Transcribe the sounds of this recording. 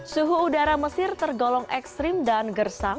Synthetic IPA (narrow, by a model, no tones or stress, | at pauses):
suɦuːdaɾaməsɪrt̪ərɡɔlɔŋʔɛkst̪ɾɪmdanɡərsaŋ